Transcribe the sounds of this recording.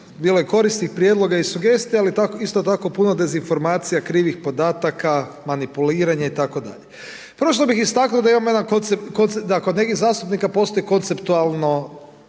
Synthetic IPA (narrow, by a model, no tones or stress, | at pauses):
biːlojeko̞ɾist̪ixpɾjed̪lˠo̞ɡaisuɡe̞st̪ijaalit̪akoist̪ot̪ako̞punod̪e̞zinfo̞ɾmaːt̪sijakɾiːʋixpo̞d̪aːt̪aka | manipuliːɾaɲait̪ako̞d̪a̰ʎe | pɾoʃ̬lobixist̪aknuod̪aimamojed̪akont̪sepkont̪sed̪akod̪ne̞kizaːst̪upnikapo̞st̪ojiko̞nt̪se̞pt̪ualˠno